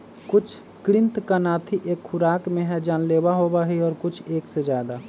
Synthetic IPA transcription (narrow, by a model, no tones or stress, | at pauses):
kʊt͡ʃʰ | kɾɪnt̪kənaːt̪ʰiʔeːkxʊɾaːkmẽɦɛd͡ʒaːnlebaɦobaɦiɔːɾkʊt͡ʃʰeːksed͡ʒjaːd̪a